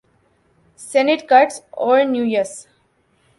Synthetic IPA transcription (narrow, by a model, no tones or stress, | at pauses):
senɪʈkaɾʈsɔːɾnjuːjəɾs